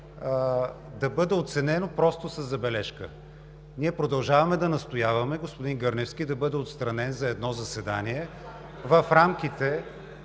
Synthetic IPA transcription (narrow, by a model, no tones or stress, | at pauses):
d̪ɐbɤd̪ɛot̪sɛnɛnopɾɔst̪ʊsɐzːɐbɛlɛʃkə | niɛpɾod̪ɐlˠʒavɐmɛd̪ɐnɐst̪ojavɐmɛɡospʊd̪inɡɤɾnɛfsk̟id̪ɐbɤd̪ɛot̪st̪ɾɐnɛnzɐɛd̪nɔzɐsɛd̪aniɛ | vɐfɾamk̟ʲit̪ɛ